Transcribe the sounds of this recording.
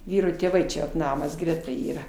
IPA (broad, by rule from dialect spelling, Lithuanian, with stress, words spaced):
ˈʋʲiːroː tʲeːˈʋɐɪ t͡ʃʲɛ ʋɐt ˈnɑːmɐs ˈɡrʲæːtɐ ˈiːrɐ